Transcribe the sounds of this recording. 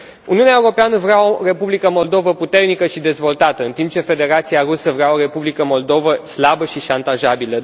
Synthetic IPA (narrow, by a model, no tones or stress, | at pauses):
ṵniuneaeuɾo̞peanəvɾeaore̞publikəmo̞ld̪o̞vəput̪e̞rnikəʃid̪e̞zvo̞lt̪at̪əɨnt̪imp̚t͡ʃe̞fe̞d̪e̞ɾat̪siarusəvɾeao̞ɾe̞publikəmo̞ld̪o̞vəslabəʃiʃant̪aʒabilə